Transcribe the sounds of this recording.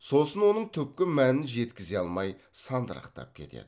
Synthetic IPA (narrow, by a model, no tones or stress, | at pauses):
so̞sənwo̞nəɴt̪ʲʰʏpkʲɪmænɪnʒe̞t̪kʲɪze̞ɑlˠmɑj | sɑnd̪əɾɑ̰qt̪ɑ̰p̚kʲʰe̞̰t̪e̞̰d̪̥ɪ